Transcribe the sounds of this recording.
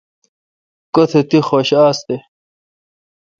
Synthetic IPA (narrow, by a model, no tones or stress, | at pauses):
kot̪ʰet̪ixoɕaːst̪e